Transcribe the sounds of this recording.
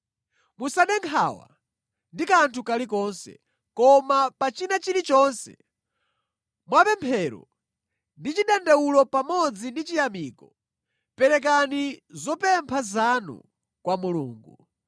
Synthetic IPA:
musaɗɛŋkʰaːwa̰ | ndikantʰukalik̬ɔnsɛ̰ | kɔmapat͡ʃinat͡ʃiɾit͡ʃɔːnsɛ̰ | mwapɛmpʰɛːɾɔ̰ | ndit͡ʃiɗɛndɛwulɔpamɔd͡zindit͡ʃijamiːkɔ | pɛɾɛk̬anizɔpɛmpʰazanṵ | kwamuluːŋɡu

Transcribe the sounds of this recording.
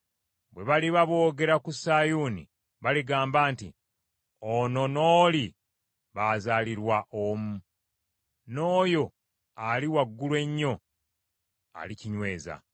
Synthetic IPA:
βwe̞βaliβaβo̞ːɡe̞ɾakusajuːnḭ | βaliɡaːmbaːntḭ | ono̞noːli | βazaːliɾwaʔomu | no̞ːjo̞ | aliwaɡːulwe̞ɲːo̞ | a̰liciɲwe̞ːza̰

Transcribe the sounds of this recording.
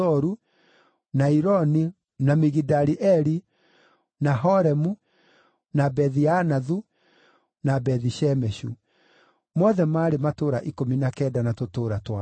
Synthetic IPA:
ɔɾu | naiɾɔni | namiɣidaɾiʔɛɾi | naɦɔɾɛmu | nabɛðianaðu | nabɛðiʃɛmɛʃṵ | mɔðɛmaːɾematoːɾaʔikominakɛdanatotoːɾatwa

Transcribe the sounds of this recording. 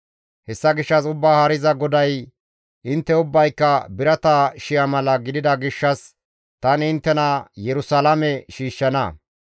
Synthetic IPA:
hɛsːɐɡɪʃːɐsʊbːaːhɐɾɪzɐɡɔd̪ɐj | ʔɪnt̪ːɛʊbːɐjkːɐbɪɾɐt̪aʃɪjɐmɐlɐɡɪd̪ɪd̪ɐɡɪʃːɐs | t̪ɐnɪnt̪ːɛnɐjɛɾʊsɐlɐmɛʃiːʃːɐnɐ̰

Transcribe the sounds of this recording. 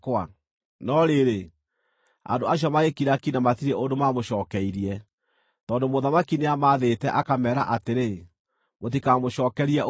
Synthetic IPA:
kwa | nɔɾeɾe | a̰ndoaɕ̬jɔmaekiɾakinamatiɾeʔondomamoʃɔːkɛiɾiɛ | tɔːndomoðamakineamaðetɛʔakamɛːɾa̰ʔateɾe | motikamoʃɔːkɛɾiɛʔ

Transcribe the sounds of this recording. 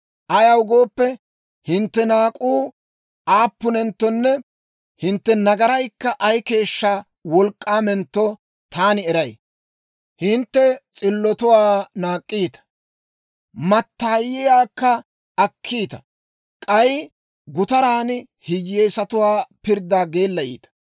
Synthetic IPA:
ʔɐjɐwʊɡo̞ːpːɛ | hɪnt̪ːɛnaːkʼuː | aːpːʊnɛnt̪ːɔnːɛ | hɪnt̪ːɛnɐɡɐɾɐjkːɐʔɐjke̞ːʃːa | wɔlkʼːaːmɛnt̪ːɔ | t̪aːnɪɛɾɐj | hɪnt̪ːɛt͡sʼɪlːɔt̪ʊwaːnaːkʼːiːt̪ɐ̥ | mɐt̪ːaːjːɪjaːkːɐ | ɐkʰːiːt̪ɐ̥ | kʼɐj | ɡʊt̪ɐɾaːn | hɪjjeːsɐt̪ʊwaːpɪɾd̪ːaːɡe̞ːlːɐjḭːt̪ɐ̥

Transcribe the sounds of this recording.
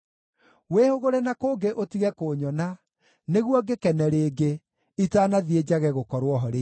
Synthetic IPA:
weːhoɣoɾɛnakoːɡeʔotiɣɛkoːɲɔna | neɣwɔɡekɛnɛɾeːɡe | itaːnaðied͡ʒaɣɛɣokɔɾwɔɦɔɾe

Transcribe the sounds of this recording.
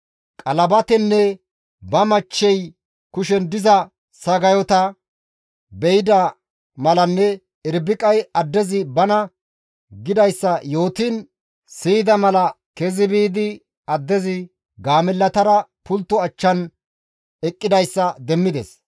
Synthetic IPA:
kʼɐlɐbɐt̪ɛnːɛ | bɐmɐt͡ʃːɛj | kʊʃɛnd̪ɪzɐ | sɐɡɐjɔt̪ɐ | bɛjd̪ɐ | mɐlɐnːɛ | ɪɾbɪkʼɐjɐd̪ːɛzɪbɐnɐ | ɡɪd̪ɐjsːɐjo̞ːt̪iːn | siːd̪ɐmɐlɐ | kɛzɪbiːd̪ɪ | ɐd̪ːɛzɪ | ɡaːmɛlːɐt̪ɐɾɐpʊlt̪ːɔɐt͡ʃːɐn | ɛkʼːɪd̪ɐjsːɐd̪ɛmːɪd̪ɛs

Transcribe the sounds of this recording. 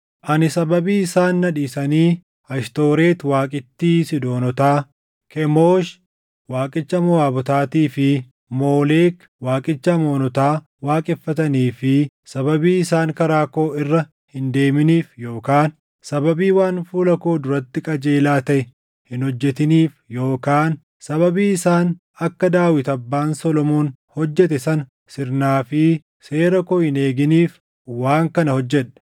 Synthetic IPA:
ʔɐnɪsɐbɐbiːɪsaːnːɐᶑiːsɐniː | ɐʃt̪o̞ːɾe̞ːt̪waːkʼɪt̪ːiːsɪd̪o̞ːnɔt̪aː | kʰɛmoːʃ | waːkʼɪt͡ʃːɐmʊaːbɔt̪aːt̪iːfɪ | mo̞ːle̞ːk | waːkʼɪt͡ʃːɐmo̞ːnɔt̪aː | waːkʼɛfːɐt̪ɐniːfɪ | sɐbɐbiːɪsaːŋkɐɾaːko̞ːɪrːɐ | hɪnd̪e̞ːmɪniːfjo̞ːkaːn | sɐbɐbiːwaːnfuːlɐko̞ːd̪ʊɾɐt̪ːɪkʼɐd͡ʒeːlaːt̪ɐʔɛ | hɪnhɔd͡ʒːɛt̪ɪniːfjo̞ːkaːn | sɐβɐbiːɪsaːn | ɐkːɐd̪aːwɪt̪ɐbːaːnsɔlɔmoːn | hɔd͡ʒːɛt̪ɛsɐn | sɪɾnaːfɪ | se̞ːɾɐkoːhɪneːɡɪniːf | waːŋkɐnɐhɔd͡ʒːɛᶑɐ̥

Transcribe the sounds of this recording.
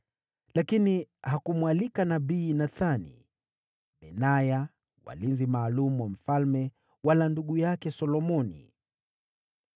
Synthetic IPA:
lakinihakumwalikanaɓiːnaθanḭ | ɓɛnaja | wa̰linzimaːlumuwam̩falmɛ | walanduɠujakɛsɔlɔmɔnḭ

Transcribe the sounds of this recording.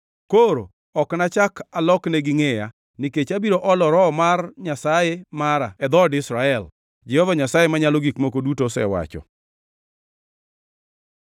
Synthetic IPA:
koɾo̰ | ɔknat͡ʃakalɔkneɡɪŋeja | nɪket͡ʃabiɾoʔɔlɔɾɔmarɲasajemaɾaɛd̪ɔdɪsɾaɛl | d͡ʒɛhovaɲasajemaɲaloɡikmokodutosɛ̰wa̰t͡ʃɔ̰

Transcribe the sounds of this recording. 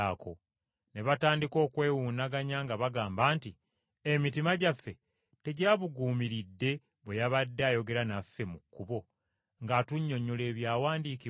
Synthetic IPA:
aːko̞ | ne̞βataːndiko̞ːkwe̞ːwuːnaɡaɲaŋɡaβaɡaːmbaːnti | emitimaɟafːe̞ | te̞ɟaβuɡuːmiɾidːe̞ | βwejaβadːeajo̞ɡe̞ɾanafːe̞mukːuβo̞ | ŋɡatuɲːo̞ɲole̞ːβjaːwaːndiːki

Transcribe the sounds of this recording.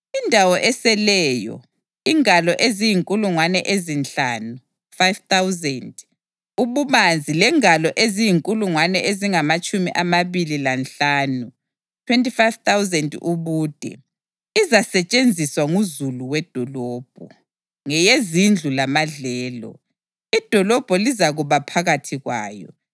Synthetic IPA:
indʱawɔʔɛsɛlɛːjɔ̰ | iŋalɔʔezijiŋkʼuluŋwanɛʔezint͡ɬaːnu | fajvt̪awzɛnd | uβumand͡zʱilɛŋalɔʔezijiŋkʼuluŋwanɛʔeziŋamat͡ʃʼumiʔamaβililanɬaːnu | tʰwentʼifajvt̪awzɛndʼuβuːd̥ʱɛ̰ | izasɛt͡ʃʼend͡zʱiswaŋuzuluwɛd̥ʱɔlɔːb̥̚ʱɔ̰ | ŋɛjezind͡ɮʱulamaɮɛːlɔ̰ | id̥ʱɔlɔb̥ʱɔlizaɣuβapʰaɣatʰiɣwa̰ːjɔ̰

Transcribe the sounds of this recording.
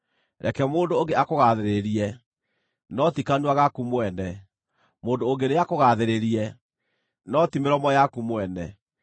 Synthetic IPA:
ɾɛ̰kɛmoːndooːŋɡeakoɣaðeɾeɾiɛ | nɔtikanwaɣakumwɛnɛ | moːndoːɡeneakoɣaðeɾeɾiɛ | nɔtimeɾɔmɔjakumwɛnɛ̰

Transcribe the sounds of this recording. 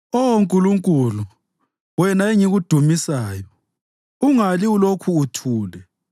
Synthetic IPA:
ɔwoŋkʼuluŋkʼulu | wɛnaeŋiɣud̥ʱumisaːjɔ | uŋaliulokʰuːtʰuːlɛ

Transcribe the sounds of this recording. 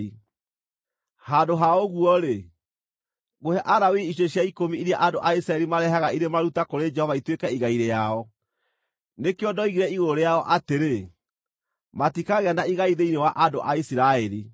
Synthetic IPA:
hadoɦaoɣuɔɾe | ɣohɛʔaɾawiiɕ̬eɕjaikomiiɾjaʔandoʔaisiɾaɛɾimaɾɛɦaɣaiɾemaɾutakoɾed͡ʒɛhɔvaitwekɛiɣaiɾejaɔ | nekejɔdɔiɣiɾɛiɣoɾejaɔʔateɾe | matikaɣeanaiɣaiðeinewaʔandoʔaisiɾaɛɾi

